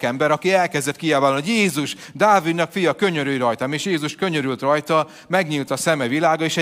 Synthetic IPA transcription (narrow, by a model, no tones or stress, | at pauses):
kɛmbɛɾɒkiɛlkɛzd̪ɛt̪kiaːvalnojeːzuʃ | d̪aːvid̪nɒkfijɒkø̞ɲøɾyiɾɒjt̪ameːʃjeːzuʃkø̞ɲøɾylt̪rɒjt̪ɒ | mɛɡɲiːlt̪ɒsɛmɛvilaːɡɒeːʃɛ